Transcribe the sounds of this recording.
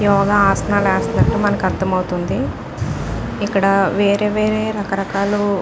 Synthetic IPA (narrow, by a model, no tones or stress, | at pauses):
jɔːɡɐaːsɐnaːlaːst̪ɐnɐʈːumɐnɐkiɐɾt̪ʰɐmɐwut̪und̪i | ikːɐɽɐʋeːɾeːʋeːɾeːɾɐkɐɾɐkaːlu